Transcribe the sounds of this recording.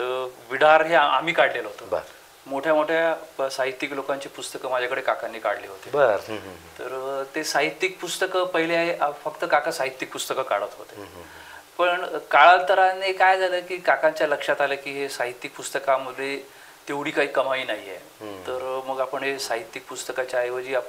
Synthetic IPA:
əʋiɽaɾɦea̰m̤iːkaɽleləɦot̪əbə̰ɾ | moʈʰjamoʈʰjasaɦit̪ːiklokaɲt͡ɕiːpust̪əkəmad͡ʑʱakəɽekakanːiːka̰ɽliːɦot̪ebəɾt̪əɾt̪esaɦit̪ːik̚pust̪əkəpəɦileaɦeʔfəkt̪əkakasaɦit̪ːik̚pust̪əkəka̰ɭət̪ɦot̪e | pəɳkaɭalt̪əɾanekajd͡zʱaləːkiːkakãɲt͡ɕjaləkʂat̪alekiːɦesaɦit̪ːik̚pust̪əkaməd̪ʱːe | t̪eʋɽiːkaɦiːkəmaiːnaɦiḛ | t̪əɾməɡapəɳɦesaɦit̪ːik̚pust̪əkat͡ɕaaɦeʋəd͡ʑiːapə

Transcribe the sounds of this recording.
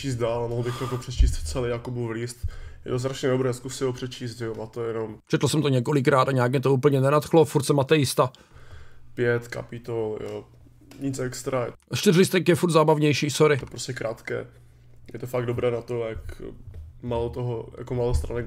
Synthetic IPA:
t͡ʃiːst̪̚daːlamoɦlbɪxɾokopr̥ɛt͡ʃiːst̪ft͡sɛlijakubuvlist̪jɛ̰t̪os̬t̪ɾaʃɲɛdobɾɛːskusɪɦopr̥ɛt͡ʃiːst̪ʒɛomat̪ojɛnomt͡ʃɛt̪l̩sɛmt̪oɲɛko̞lɪkɾaːt̪aɲɛjakmɛt̪ouːp̬l̩ɲɛnɛnat̪xlofuɾt̪sɛmat̪ɛjɪst̪a | pjɛt̪ka̰pɪt̪oljo̰ː | ɲɪt͡sɛkst̪ɾaɛʃt̪ɪrlɪst̪ɛkjɛfuɾt̪zaːbavɲɛjʃiːsoɾɪt̪opɾoscɛkɾaːt̪kɛ̰ː | jɛt̪ofaɡ̚dobɾɛːnat̪ojak | malot̪oɦoja̰komaːlost̪ɾanɛɡ

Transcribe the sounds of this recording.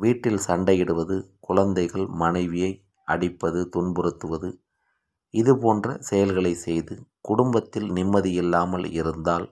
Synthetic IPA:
ʋiːʈːɪlsɐɳɖɐjɪɽɯʋɐðɯkʊɻɐnd̪ɐɪɣɐɭmɐnɐɪʋɪjɐɪ | ʔɐɽɪpːɐðɯt̪ʊnbɯɾɯt̪ːɯʋɐðɯ | ɪðɯpoːndrɐsɛjɐlɣɐɭɐɪsɛjðɯkʊɽʊmbɐt̪ːɪlnɪmːɐðɪjɪlːaːmɐlɪ̰ɾɯnd̪aːl

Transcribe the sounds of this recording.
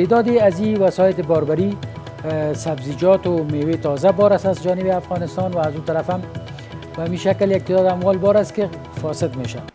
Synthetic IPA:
t̪ed̪ɔd̪ɪaziwasɔjɪt̪ɪbɔɾbaɾi | sabzid͡ʒɔt̪ʊmewet̪ɔzabɔɾasazd͡ʒɔnɪbɪafɣɔnɪst̪ɔnwaːzut̪aɾafam | bamiʃakljak̚t̪ed̪ɔd̪amwɔlbɔɾast̪kɪ | fɔsɪt̪meʃa

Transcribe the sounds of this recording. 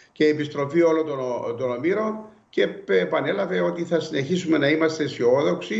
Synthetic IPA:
ceiepist̪ɾo̞fio̞lot̪ot̪onomiɾo̞n | ce̞pɐne̞lɐve̞o̞t̪iθɐsine̞çisume̞nɐimɐst̪e̞sio̞ðo̞ksi

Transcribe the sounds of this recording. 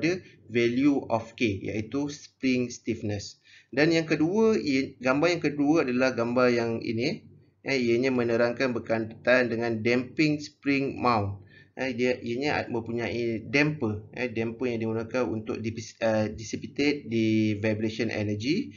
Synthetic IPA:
də | vɛljuʔɔfkeja̰ʔit̪uspɾɪŋst̪ifnəs | danjaŋkəduəɡambaɾjaŋkəduəadalahɡambarjaŋḭnĩ | ʔəiəɲəmə̃nəɾaŋkanbəkant̪ət̪andəŋãndɛmpɪŋspɾɪŋmãwnt̪̚ədiʔijəɲə̰mə̃mpuɲãidɛmpəɛ̰dɛmpəjaŋdiɡunakanṵnt̪ʊ̰k̚diədisipit̪et̪̚divabɾesənʔɛ̰nəd͡ʒi

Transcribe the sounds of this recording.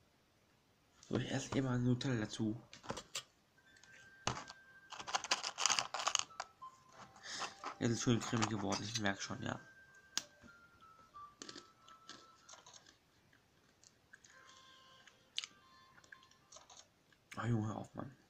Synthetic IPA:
o̰ːɪçʔɛ̰ɐstʔɪmɐaɪnnhotʰɛldat͡suː | ʔɛ̰ɐsɪstʃøːnkʁ̥ɪmɪçɡ̥əvɔɐdn̩ɪçmɛɐkə̥ʃoːnja̰ː | ʔoːjʊŋəhɛɐʔfma̰n

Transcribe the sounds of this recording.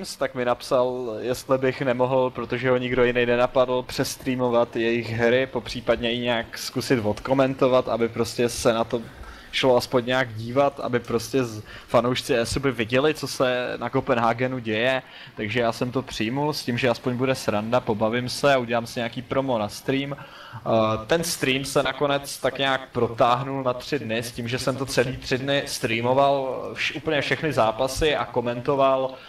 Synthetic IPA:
mst̪akmɪnapsaljɛst̪lɪbɪxnɛmo̞ɦl̩pɾo̞t̪oʒɛɦo̞ɲɪɡdo̞jɪnɛjnɛnapadl̩pr̝̥ɛst̪ɾiːmo̞vat̪jɛjɪxɦɾɪpo̞pr̝̥iːpad̚ɲɛjɪɲɛaːkskusɪt̪vo̞t̪ko̞mɛnt̪o̞vat̪ʔa̰bɪpɾo̞scɛsɛnat̪o | ʃloaspo̞ɲːɛaːɡɟiːvat̪ʔa̰bɪpɾo̞scɛ | fanowʃt͡sɪɛsubɪvɪɟɛlɪt͡so̞sɛnakopɛnɦaːɡɛnuɟɛjɛ | t̪aɡʒɛjaːsɛmt̪o̞pr̝̥ɪjmulscimʒɛaspo̞ɲbudɛsɾandapo̞bavɪmsɛauɟɛlaːmsɪɲɛakiːpɾo̞mo̞nast̪ɾiːm | t̪ɛnst̪ɾiːmsɛnako̞nɛt͡st̪akɲaːk̚pɾo̞t̪aːɦnulnat̪r̝̥ɪdnɪscimʒɛsɛmt̪o̞t͡sɛliːt̪r̝̥ɪdnɪst̪ɾiːmo̞valʃʔuːpl̩ɲɛfʃɛxnɪzaːpasɪʔa̰ko̞mɛnt̪o̞val

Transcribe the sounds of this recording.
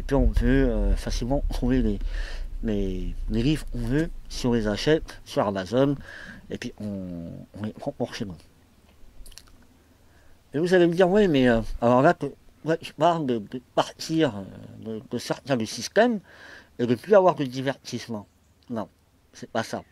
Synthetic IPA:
epɥiɔ̃pøøfasilmɑ̃t̪χuvelelelelivʁɔ̃vøsiɔ̃lezaʃɛt̪syʁamazɔnepɥiɔ̃ɔ̃nɛɑ̃ɔʁʃenu | mɛvuzalemd̪iʁwɛmɛøalɔʁlakəwaʒəpaʁld̪əd̪əpaʁt̪ʰiʁø̰d̪ədəsɛʁt̪ɛ̃d̪əsist̪ɛm | ed̪əplyavwaʁd̪əd̪ivɛʁt̪ismɑ̃ | nɔ̃ | sɛpasa̰

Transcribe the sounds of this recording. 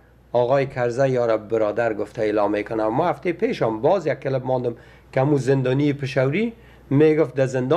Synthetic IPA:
ɒɣɔjɪkʰaɾzajɔɾabɪɾɔd̪aɾɡʊft̪aɪlɔmːekʊnawmahaft̪epeʃɔmbɔzjakːɪlɪb̚mɔnd̪ɪm | kɪamuzɪnd̪ɔniepɪʃawɾi | meɡʊft̪̚d̪azɪnd̪ɔ

